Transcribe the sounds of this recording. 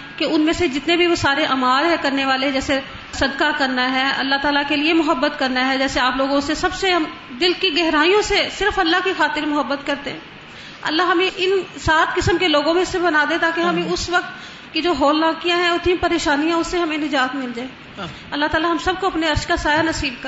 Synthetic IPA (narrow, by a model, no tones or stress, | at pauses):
keʊnmẽsed͡ʒɪt̪nebʱiʋosaːɾeʔaːmaːɾɦɛkɐɾneʋaːled͡ʒɛːse | sɐd̪kakɐɾnaɦɛːɐ̰lːaɦt̪aːlakeliemʊɦəbːət̪kɐɾnaɦɛd͡ʒɛːseaːploːɡõsesɐbseɦɐm | d̪ɪlkiɡɛɦɾaːijõsesɪɾfɐlːaɦkixaːt̪ɪɾmʊɦəbːət̪kɐɾt̪eɦɛ̃ː | ɐ̰lːaɦɦɐmẽʔɪnsaːt̪ʰkɪsəmkeloːɡõmẽsebɐnaːd̪ẽt̪aːkeɦɐmẽʊsʋɐk̚t̪ | kid͡ʒoːɦɔːlːãːkijãɦɛ̃ʊt̪nĩpɐɾeːʃaːnijãʊsːeɦɐmẽnɪd͡ʒaːt̪mɪld͡ʒaːeː | ɐlːaɦt̪aːlaɦɐmsɐb̚koɐpneɐɾʃkasaːjanɐsiːb̚kɐ